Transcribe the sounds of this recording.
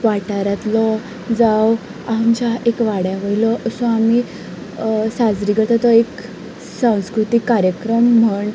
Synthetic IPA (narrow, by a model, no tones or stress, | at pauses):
ʋaʈaɾat̪lɔ | d͡zaw | aumt͡ɕaekʋaɽjaʋəjlɔʔəsɔ̃ami | sad͡zɾikəɾt̪at̪ɔek | sãw̃skɾut̪ikːaɾjəkɾəm̤ːəɳɖ